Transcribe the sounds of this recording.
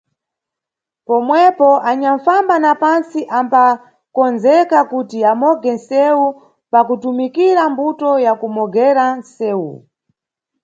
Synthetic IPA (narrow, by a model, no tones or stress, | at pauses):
pɔmwɛpɔʔaɲaɱfambanapansiʔampa | kɔnzɛkakutiamɔɡɛnsɛu | pakutumikiɾambutɔjakumɔɡɛɾansɛːu